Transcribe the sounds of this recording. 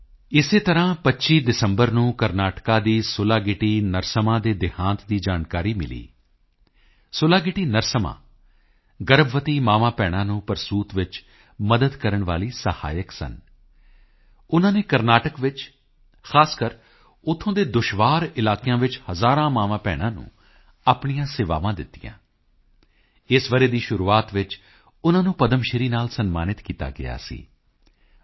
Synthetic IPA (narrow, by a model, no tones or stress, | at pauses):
ɪseːt̪əɾãːpətːʃiːd̪ɪsəmbəɾnũːkəɾnaːʈkaːd̪iːsʊlaːɡɪʈiːnəɾsəmãːd̪eːd̪ɪhãːnt̪d̪iːd͡ʒaːnkaːɾiːmɪ̰lḭː | sʊlaːɡɪʈiːnəɾsəmã̰ː | ɡəɾbʋət̪iːmaːʋãːpɛːɽ̃ãːnũːpəɾsuːt̪ʋɪt͡ʃ | məd̪əd̪kəɾəɳʋaːliːsəha̰ːjəksə̰n | ʊnãːneːkəɾnaːʈəkʋɪt͡ʃ | xʰaːskəɾ | ʊt̪ʰːõːd̪eːd̪ʊʃʋaːɾɪlaːkɪjãːʋɪt͡ʃhəzaːɾãːmaːʋãːpɛ̰ːɽ̃ãːnṵ̃ː | aːpɳijãːsɪʋa̰ːʋãːd̪ɪt̪ːḭjã̰ː | ɪsʋəɾeːd̪iːʃʊɾuːaːt̪ʋɪt͡ʃ | ʊnãːnũːpəd̪əmʃɪɾiːnaːlsənma̰ːnɪt̪kiːt̪a̰ːɡɪ̰ja̰ːsḭː